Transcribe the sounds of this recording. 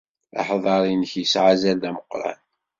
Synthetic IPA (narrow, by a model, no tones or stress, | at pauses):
ɑ̰ħðˤɑɾˤinəçjəsʕazæld̪æməqːɾˤɑ̰n